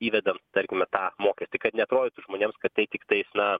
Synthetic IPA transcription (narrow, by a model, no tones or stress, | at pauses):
iːʋʲɛd̪ɐmt̪ɐɾʲkʲɪmɐt̪ɑːmoːkʲɛsʲt̪ɐɪkɐt̪nʲɛɐt̪ɾoːdʲɪːt̪ʊʒmoːnʲeːmskɐt̪tɐɪt̪ʲɪkt̪ɐɪsnɐ